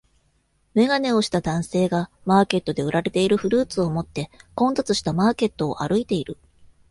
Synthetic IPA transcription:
me̞ɡane̞o̞ɕi̥t̪ad̪ãɰ̃se̞ːɡa | maːke̞t̪ːo̞d̪e̞ɯ̟ɾaɾe̞t̪e̞iɾɯ̟ɸɯ̟ɾɯ̟ːt͡sɨo̞mo̞t̪ːe̞kõ̞nt̪at͡sɨɕi̥t̪amaːke̞t̪ːo̞̰ːʔa̰ɾɯ̟it̪e̞iɾɯ̟

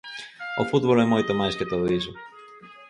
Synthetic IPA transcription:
ofut̪bolemoit̪emɐscet̪oðizo

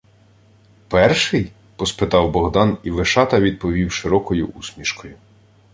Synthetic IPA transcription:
pɛrʃɪj | pɔspɪt̪ɑwbɔɦd̪ɑniʋeʃɑt̪ɐʋʲid̪̚pɔʋʲiwʃɪɾɔkɔjʊ̰ʔusmʲiʃkɔjʊ

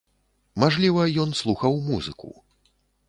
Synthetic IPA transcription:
maʐlʲivɐjɔnslˠuxɐwmuzɨkṵ

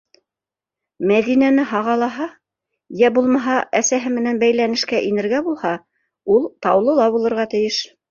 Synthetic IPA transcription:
mæðinænɘɦɑʁɑlˠɑɦɑ | jæbulˠmɑɦɑʔæsæɦɘmɘ̆nænbæjlænɘ̆ʃkæʔinɘ̆ɾɡæbulˠhɑ | ulˠt̪ɑwlˠɤ̆lˠɑβulˠɤ̆ɾʁɑt̪ɘ̆jɘʃ

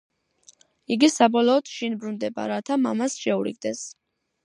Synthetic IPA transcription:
iɡisabɔlɔːd̪̥ʃinbɾund̪ɛba̰ɾat̪ʰama̰masʃɛuɾḭɡ̚d̪ɛs

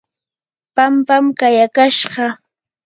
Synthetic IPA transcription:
pampamkajakaʃɢɑ

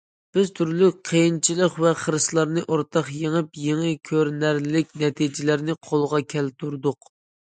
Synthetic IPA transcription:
b̥ɪz̥t̪ʰyɾlyqʰejint͡ʃʰilˠəqvɛχəɾɨslˠɑɾnɨʔoɾt̪ʰɑχjeŋəpjeŋɨkʲʰøɾnæɾlɪkʲnɛt̪ʰid͡ʒɪlæɾnɪqʰolˠʁɑkʲʰɛlt̪ʰuɾd̪ʊq

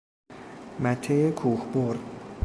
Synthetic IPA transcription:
mæt̪ʰːejekʰuːxboɾd̪̥

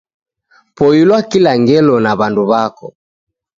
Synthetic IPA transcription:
pɔjilwakilaŋɡɛlɔnaβanduβakɔ

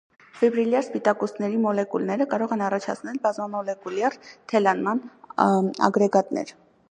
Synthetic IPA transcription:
fɛbɾiljɑɾspit̪ɑkɔsnɛɾimɔlɛkulnɛɾəkɑɾɔʁɛnɑrɑt͡ʃʰɑt͡sʰnɛlbɑzmɑmɔlɛkuljɑrt̪ʰɛlɑnmɑn | ɑ̰ɡɾɛɡɑt̪nɛ̰ɾ

